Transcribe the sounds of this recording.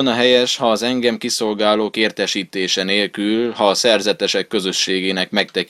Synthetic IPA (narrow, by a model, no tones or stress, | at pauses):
onɒɦɛjɛʃhɒːzɛŋɡɛmkiso̞lɡaːloːkeːrt̪ɛʃiːt̪eːʃɛneːlkylhɒːsɛrzɛt̪ɛʃɛkːø̞zø̞ʃːeːɡeːnɛkmɛkt̪ɛk